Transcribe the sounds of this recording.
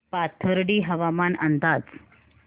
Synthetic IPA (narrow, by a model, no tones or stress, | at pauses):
pat̪ʰəɾɽiːɦəʋamanənd̪ad͡z